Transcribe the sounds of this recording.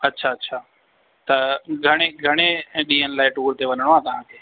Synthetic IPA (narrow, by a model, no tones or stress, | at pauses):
ɐtːʃʰaɐtːʃʰaː | t̪ɐɡʱɐɽ̃eɡʱɐɽ̃eɗĩːɦənɪlaːɪʈuːɾt̪eʋɐnəɽ̃oɦãt̪ɐʋ̤ãkʰeː